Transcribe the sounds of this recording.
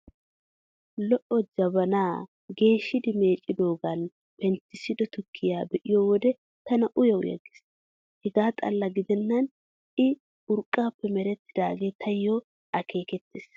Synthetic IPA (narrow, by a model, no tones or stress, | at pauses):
lɔʔɔd͡ʒɐbɐnaː | ɡe̞ːʃːɪd̪ɪme̞ːt͡ʃʼɪd̪o̞ːɡɐn | pɛnt̪ːɪsɪd̪ɔt̪ʊkʰːɪjaːbɛʔɪjoːwɔd̪ɛ | t̪ɐnɐʔʊjɐʊ̰jɐ̰ɡɪ̥s | hɛɡaːt̪ʼɐ̰lːɐɡɪd̪ɛnːɐn | ɪ | ʊɾkʼːaːpːɛmɛɾɛt̪ːɪ̥d̪aːɡe̞ːt̪ʰɐjːo | ʔɐkʰe̞ːkɛt̪ːeːs